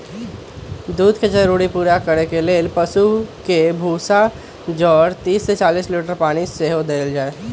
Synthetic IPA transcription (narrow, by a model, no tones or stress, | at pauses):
d̪uːd̪ʱket͡ʃəɾuːɽipuːɾakəɾekeleːlpəsukebʱuːsa | d͡ʒɔːɾt̪iːsːet͡ʃaːliːsliʈəɾpaːɽ̃iseɦod̪eːld͡ʒaːeː